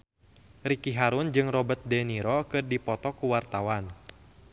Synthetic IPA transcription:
rikiɦaɾund͡ʒɨŋrɔbət̪̚dɛniɾɔkɨrdipɔt̪ɔkuwart̪awan

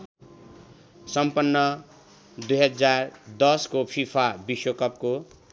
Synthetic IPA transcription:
sʌmpʌnːʌ | d̪ujɦʌd͡zard̪ʌskopʰipʰabiswokʌp̚ko

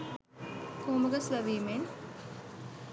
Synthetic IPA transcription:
koːmɐɡɐslɐʋiːmen

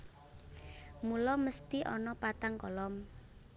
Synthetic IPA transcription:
mulɔməst̪iʔɔnɔpat̪aŋkɔlɔm

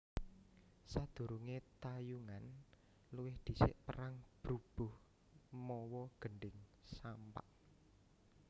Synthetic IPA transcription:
sad̪̥ṳɾuŋet̪ajuŋan | luwɪhd̪̥i̤sɪ̰ʔpəɾaŋb̥ɾub̥ʊ̤h | mɔwɔɡ̥əɳɖɪŋsampa̰ʔ

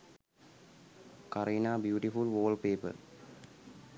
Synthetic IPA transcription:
kɐɾiːnaːbjuːʈifulʋoːlpeːpɐ̰ɾ

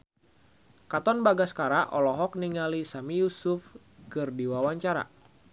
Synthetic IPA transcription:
kat̪ɔnbaɡaskaɾaʔɔlɔɦɔk̚niŋalisamijusuf | kɨrdiwawaɲt͡ʃaɾa̰

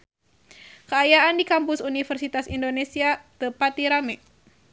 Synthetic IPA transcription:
kəajaandikampʊsunifərsit̪asindonesiat̪əpat̪iɾamɛ

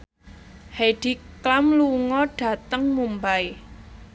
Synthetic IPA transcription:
heɖ̥i̤klamluŋɔɖ̥ä̤t̪əŋmumbaj

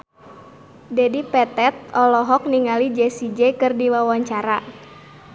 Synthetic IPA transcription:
dɛdipɛt̪ɛt̪̚ɔlɔɦɔk̚niŋalid͡ʒɛsid͡ʒɛkɨrdilawaɲt͡ʃaɾa

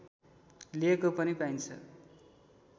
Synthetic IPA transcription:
liekopʌnipaint͡sʰʌ̰

